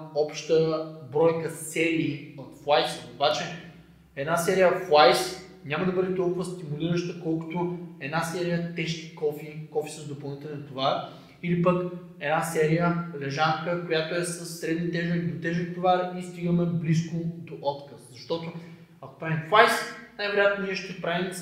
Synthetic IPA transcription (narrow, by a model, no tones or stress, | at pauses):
ɔpʃt̪əbɾɔjkəsɛɾiːot̪flˠajsobat͡ʃɛ | ɛd̪nasɛɾijəflˠajs | nʲamɐd̪ɐbɤd̪ɛt̪ɔlˠkʊvəst̪imuliɾəʃt̪əkɔlˠkʊ̥t̪oɛd̪nasɛɾijət̪ɛʃk̪i̥kɔfikɔfi̥səzd̪opɐlˠnit̪ɛlʲɛnt̪ovaɾ | ilipək | ɛd̪nasɛɾijəlɛʒaŋkəkojat̪oɛsəsːɾɛd̪nit̪ɛʒod̪ot̪ɛʒt̪ovaɾist̪iɡəmɛblis̬kʊd̪oʔɔt̪kəszɐʃt̪ɔt̪o | ɐko̥pɾavimflˠajsnajvɛɾojat̪noniɛʃt̪ɛpɾavim